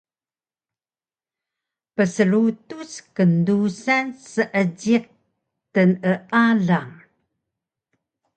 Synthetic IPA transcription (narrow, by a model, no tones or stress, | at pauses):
pəsəɾutuskəndusansəʔəd͡ʑiq̚ | tənəʔaɮaŋ